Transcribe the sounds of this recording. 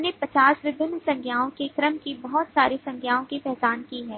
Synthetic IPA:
nepɐt͡ʃaːsʋɪbʱɪnːsɐ̃ŋkʰjaːõkekɾəmkibɐɦɔt̪saːɾesɐ̃ŋkʰjaːõkipɛɦt͡ʃaːnkiɦɛː

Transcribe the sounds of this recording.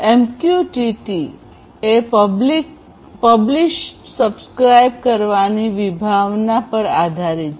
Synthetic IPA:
emkjuʈiʈi | eblik | pəbliʃ | səbskɾajbkəɾʋaniʋibʱaʋnapəɾad̪ʱaɾi

